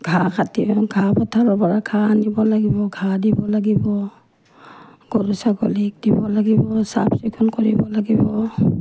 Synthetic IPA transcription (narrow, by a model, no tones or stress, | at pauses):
ɡʱakʰatibɔɡʱabɔtʰaɾɔbaɹakʰanibɔlaɡibɔɡʱadibɔlaɡibɔ | ɡ̥ɔɾusaɡɔlik̚dibɔlaɡibɔsa̰p̚sikʰunkɔɹibɔlaɡibɔ